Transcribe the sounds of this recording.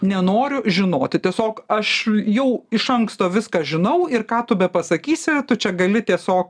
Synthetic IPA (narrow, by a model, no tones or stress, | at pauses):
nʲɛnoːɾʲʊʒʲɪnoːt̪ʲɪt̪ʲiɛsʲoːkɐʃjɛʊɪʃɐŋkst̪oːʋʲɪskɑʒʲɪnɐʊɪrkɑːt̪ʊbʲɛpɐsɐkʲiːsʲɪt̪ʊt͡ʃʲɛɡɐlʲɪt̪ʲiɛsʲoːk